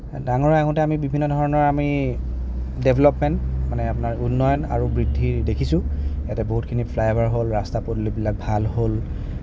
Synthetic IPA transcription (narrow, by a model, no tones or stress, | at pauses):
daŋɔɹaɦũtɛamibibʱinːɔdʱɔɹɔnɔɹami | debʱlɔpmɛntmanɛapunaɹunːɔjɔna̰ɹubɹidʱːidekʰisʊ̃jatɛboɦutkʰinipʰlajabaɹɦolɹastapodlobilak̚bʱalɦol